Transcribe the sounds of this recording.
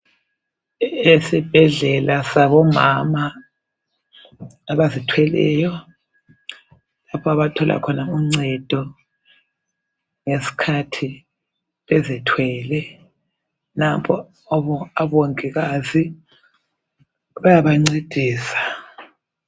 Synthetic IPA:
esib̥ʱɛɮɛlasaβɔmama | βazitʰwɛlɛjɔ | lapʰɔaβatʰɔlʔa̰kʰɔnauŋ͡ǀɛd̥ʱɔ | ŋesi̥kʰatʰi | βɛzitʰwɛːlɛ | napʰɔ | ɔβɔaβoŋiɣazi | βajaβaŋ͡ǀid̥ʱiːsḁ

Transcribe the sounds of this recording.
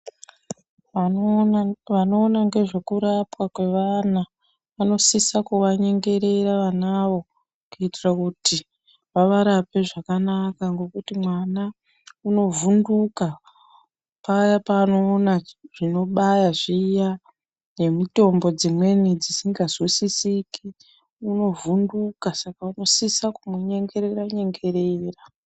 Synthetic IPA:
ʋano̞ːnaŋɡe̞ʐe̞kuɾapwakwe̞ʋana | ʋano̞sisakuʋaɲe̞ŋɡe̞ɾe̞ɾaʋanaʋo̞ | kuitirakuti | ʋaʋaɾape̞ʐakanakaŋɡo̞kutimwana | uno̞vunduka | pajapaːno̞ːnaʐ̥ino̞ɓajaʐiːja | ne̞mito̞mbo̞d͡zimwe̞nid͡zisiŋɡazusisikʰi | uno̞vundukasakauno̞sisakumuɲe̞ŋɡe̞ɾe̞ɾaɲe̞ŋɡe̞ɾe̞ːra

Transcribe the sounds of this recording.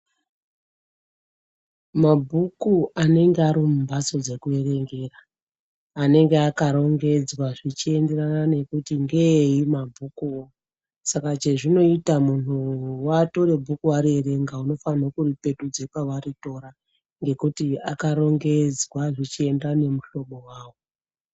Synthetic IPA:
mabʱukuane̞ŋɡeaɾimumbaso̞d͡ze̞kue̞ɾe̞ŋɡe̞raː | ne̞ŋɡe̞akaɾo̞ŋɡe̞d͡zwaʐit͡ʃie̞nde̞ranane̞kutiŋɡe̞imabʱukuo | sakat͡ʃe̞ʐino̞itamunuwato̞ɾe̞bʱukuaɾieɾe̞ŋɡauno̞fanakuripe̞tud͡zepaʋarito̞ɾa | ŋɡe̞kutiakaɾo̞ŋɡe̞d͡zwaʐit͡ʃie̞ndane̞muʃo̞ɓo̞waːwo

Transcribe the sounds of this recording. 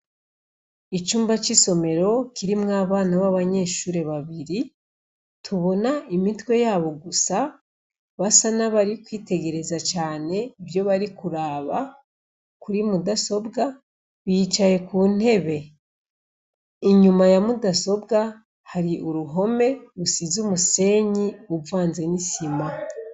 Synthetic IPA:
it͡ʃuːmbat͡ʃiso̞me̞ɾo̞kiɾimŋaːβaːnaβaβaɲe̞ʃuːɾe̞βaβiɾi | tʰuβo̞naimitwe̞jaːβo̞ɡusa | βasanaβaɾikwiːte̞ɡe̞ɾe̞zat͡ʃaːne̞βjo̞βaɾikuɾaːβa | kuɾimudaso̞bɡa | βit͡ʃaje̞kuːn̥he̞βe̞ | iɲumajamudaso̞bɡa | haɾiʔuɾuɦo̞me̞ɾusizumuse̞ːɲiubvaːnze̞nisima

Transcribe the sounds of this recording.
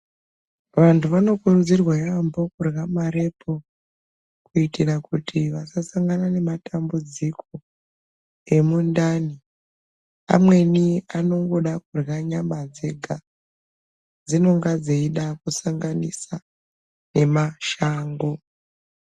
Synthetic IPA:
ʋantʰuʋano̞kurud͡zirwajambo̞kurɣamaɾe̞pʰo̞ | kuitirakutʰiʋasasaŋɡanane̞matambud͡zikʰo̞ | e̞mundani | a̰mwe̞niano̞ŋɡo̞ɗakurɣaɲamad͡ze̞ɡʱa | d͡zino̞ŋɡad͡zeiɗakusaŋɡanisa | ne̞maʃaːŋɡo̞

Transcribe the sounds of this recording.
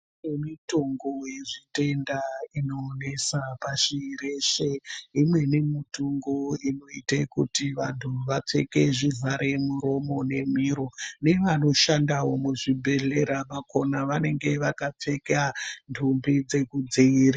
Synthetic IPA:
emitoŋɡo̞je̞ʐite̞ndaino̞ːne̞sapaʃiːre̞ʃeimwe̞ne̞mitoŋɡoino̞itekutiʋantʰuʋap͡fe̞̰ke̞ʐivʱaɾe̞muɾo̞mo̞ne̞miːɾo̞ne̞ʋano̞ʃandawo̞muʐibʱe̞ɮe̞ɾamako̞naʋane̞ŋɡe̞ʋakap͡fe̞kantʰumbid͡ze̞kud͡ziiːɾa

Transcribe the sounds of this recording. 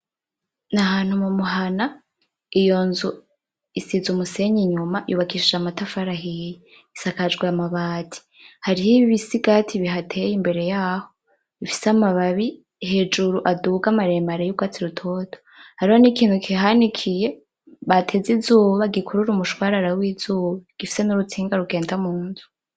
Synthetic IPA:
naɦaːn̥humumuɦana | ijo̞nzu | isizumuse̞ɲiɲumajṵβakiʃid͡ʒamatafaɾaɦiji | isakad͡ʒɡwiamaβaːtʰi̥ | haɾihiβiβisiɡatʰiβiɦatʰe̞jimbe̞ɾe̞jaːho | ifi̥samaβaβi | he̞d͡ʒuɾuʔaduɡamaɾeːmaɾejuɡwat͡siɾutʰo̞to | haɾihonikiːn̥hukʰiɦanikʰije̞ | βatʰezizuːβaɡikʰuɾuɾumuʃwaːɾaɾawiːz̥uːβaɡ̥ifi̥se̞nuɾut͡sʰiːŋɡaɾuɡe̞ːndamuːnzu̥

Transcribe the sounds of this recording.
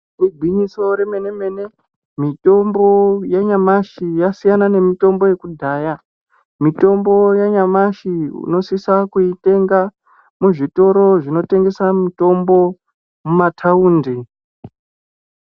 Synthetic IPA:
ruɡʱwiɲiso̞ɾe̞me̞neme̞ːne | mito̞mbo̞jaɲamaʃijasijanane̞mito̞mbo̞je̞kudʱaːja | mito̞mbo̞jaɲamaʃiṵno̞sisakuite̞ŋɡa | muʐito̞ɾo̞ʐino̞te̞ŋɡe̞samito̞mbo̞ | mumatʰauːnde

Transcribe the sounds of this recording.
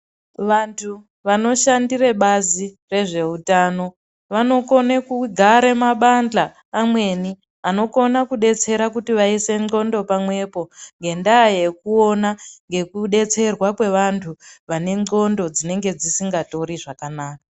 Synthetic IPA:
ʋantʰu | ʋano̞ʃandireɓazi | re̞ʐe̞utaːno̞ | ʋano̞ko̞nekuɡʱaɾemaɓand͡ɮaː | mwe̞ni | ano̞ko̞nakuɗe̞t͡se̞ɾakutiʋaise̞ŋo̞ndo̞pamwe̞po̞ŋɡe̞ndaːje̞kuo̞naŋɡe̞kuɗe̞t͡se̞rwakwe̞ʋantʰuʋane̞ŋo̞ndo̞d͡zine̞ŋɡe̞d͡zisiŋɡato̞ɾiʐakanaːka

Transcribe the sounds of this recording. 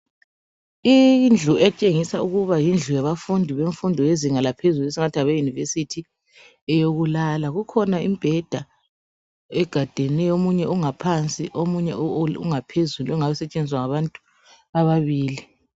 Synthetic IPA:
ind͡ɮʱuʔɛt͡ʃʼeŋisauɣuβajind͡ɮʱujaβafundʱiβeɱfundʱɔjeziŋalapʰezules̬iŋatʰiaβejunivesitʰi | ɛjoɣulalaɣukʰɔnaimb̥ʱɛd̥ʱa | ɛɡ̥ʱad̥ʱɛnɛjomuɲɛuŋapʰant͡sʼiʔomuɲɛṵŋapʰezuluɔŋaβɛsɛt͡ʃʼend͡ziwaŋaβantʼu | aβaβiːli

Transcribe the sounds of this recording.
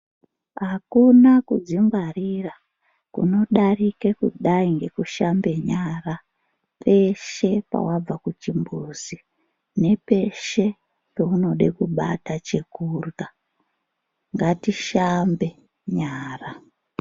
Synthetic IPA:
ɦakunakud͡zimɡwarira | kṵno̞ɗarikekṵɗaiŋɡe̞kuʃambe̞ɲara | pe̞ʃe̞pa̰wab͡vakut͡ʃimbuzi | ne̞pe̞ʃe̞ | pouno̞ɗekuɓa̰tat͡ʃe̞kurɡa | ŋɡatiʃambe̞ | ɲaːra

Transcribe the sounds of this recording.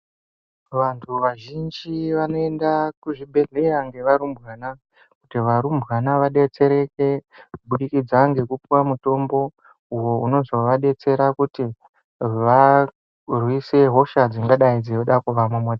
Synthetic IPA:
ʋantʰuʋaʒind͡ʒiʋano̞endakuʐibʱe̞ɮe̞jaŋɡe̞ʋaɾumbwaːna | kutiʋaɾumbwanaʋaɗe̞t͡se̞ɾe̞ke̞kuɓuɗikid͡zaŋɡe̞kupiwamuto̞mbo̞ | uwo̞uno̞zo̞ʋaɗe̞t͡se̞ɾakuti | ʋa | rwiseɦo̞ʃad͡ziŋɡaɗaid͡zijoɗakuʋamumoːd͡za

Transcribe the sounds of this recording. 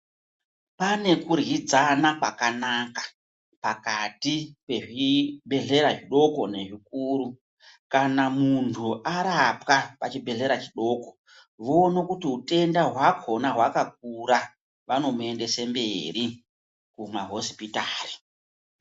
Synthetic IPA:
pane̞kurɣid͡zanakwakanakḁ | pakatipe̞ʐibʱe̞ɮe̞ɾaʐiɗo̞ko̞ne̞ʐik̚uːɾu | kanamuntʰuʔaɾapkapat͡ʃibʱe̞ɮe̞ɾat͡ʃiɗo̞ːko̞ | ʋoːno̞kutiɦute̞ndaɦwakʰo̞naɦwakak̚uɾa | ʋano̞mue̞nde̞semberi | kumaɦo̞si̥pitaːri

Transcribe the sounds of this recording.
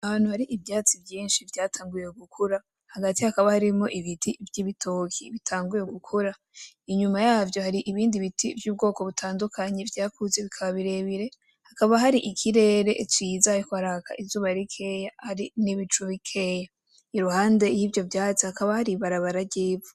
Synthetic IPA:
ahaːn̥huhaɾiʔibjaːt͡sibjiːnʃivjaːtʰaːŋɡuje̞ɡukʰuɾa | haɡatihakaβahaɾimo̞ʔiβitʰivjiβitʰokʰiβitʰaːŋɡuje̞ɡukʰuɾa | iɲumajaːvjo̞haɾiʔiβiːndiβitʰivjuːb̚ɡo̞ːko̞βutʰaːndukʰaɲe̞vjaːkʰuze̞βikʰaβaβiɾe̞βiɾe̞ | hakaβaɦaɾiʔikʰiɾe̞ːɾe̞ʔt͡ʃiːzaikohaɾaːka̰ʔizuːβaɾikʰe̞jahaɾiniβit͡ʃuβikʰe̞ja | iɾuhaːnde̞jivjo̞vjaːt͡sihakaβahaɾiβaɾaβaɾaɾɟiːvu̥

